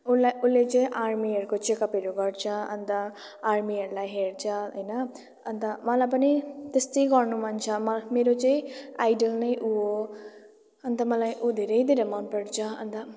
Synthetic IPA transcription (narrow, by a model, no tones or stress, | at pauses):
ulaulːet͡sʌ̃ʔaɾmiɦʌɾukot͡ʃekapeɾuɡʌɽt͡sʰʌʌ̰nt̪ʌ | aɾmiɦʌɾulajɦeɾt͡sʰʌɦəjnʌː | nt̪ʌmʌlap̬ʌnit̪est̪ʌjɡʌɾnumʱant͡sʰʌmʌmeɾot͡sʌ̃ĩajɖəlnʌjʔuo | ʌnt̪ʌmʌlajʔud̪ʱeɾʌjd̪ʱeɾamanpeɽt͡sʰʌʌ̰nt̪ʌ